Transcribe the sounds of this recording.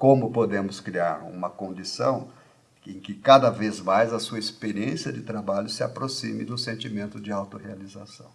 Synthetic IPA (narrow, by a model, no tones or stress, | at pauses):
kõmʊpod̪ẽmʊskɾiaɾṵ̃mɐkõnd͡ʒisɐ̰̃w̃ | ẽkɪkad̪ɐvezmajzɐsuɐispeɾiẽsjɐd͡ʒɪt̪ɾabaʎʊsɪapɾosĩmɪ̰d̪ʊ̃sẽnt͡ʃimẽnt̪ʊd͡ʒɪawt̪ʊhealizasɐ̰̃w̃